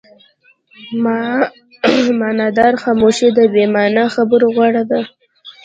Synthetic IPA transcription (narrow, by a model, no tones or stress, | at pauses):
mɑ | mɑnɑd̪ɑɾxɑmoʃid̪əbemɑnaxabəɾoɣwɑɽad̪a